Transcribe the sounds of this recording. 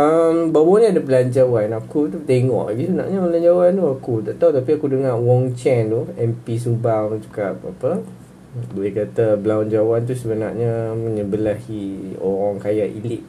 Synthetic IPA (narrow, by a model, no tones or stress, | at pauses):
ʔəmbawɔnĩadabəland͡ʒawanakut̪ut̪eŋɔ̰ʔbisəna̰ʔɲabəland͡ʒawant̪uakut̪aʔt̪aut̪apiakudəŋaʔwɔŋt͡ʃɛnt̪uɛmpis̬ubaŋd͡ʒukap̚a̰pə | bəekat̪əblawnd͡ʒawant̪̬usəbəna̰ʔɲaməɲəbəlahiɔ̰ɔŋkajaʔḭliʔ